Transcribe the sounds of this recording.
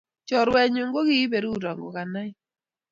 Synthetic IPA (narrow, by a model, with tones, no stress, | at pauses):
t͡ʃɔ˨ɾwɛ˨ɲʊ˨ŋɡo˦ki˦be˨ɾu˦˨ɾa˨ŋɡo̰˨ka˨na˦ɪ˦